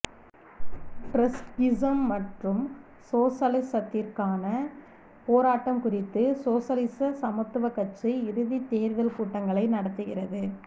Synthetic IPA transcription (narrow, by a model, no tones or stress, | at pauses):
pɾɐsɡɪsɐmːɐʈrɯm | soːsɐlɪsɐt̪ːɪrkaːnɐ | poːɾaːʈːɐmkʊrɪt̪ːɯsoːsɐlɪsɐsɐmɐt̪ːɯʋɐkːɐʈt͡ʃiɪɾɯðit̪eːɾðɐlkuːʈːɐŋɡɐɭɐɪnɐɽɐt̪ːɯɣɪrɐðɯ